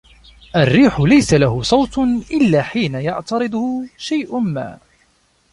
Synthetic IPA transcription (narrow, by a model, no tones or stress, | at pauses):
ʔarːiːħʊlajsalahʊsˤɑwt̪ʔɪlːaːħiːnajɑʕt̪ɑɾɨd̪ˤʊhʊʃajʔʊma̰ː